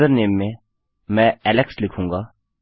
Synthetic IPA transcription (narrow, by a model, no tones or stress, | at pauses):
əɾneːmːẽ | mɛ̃ɛːlɛkslɪkʰɦũŋɡaː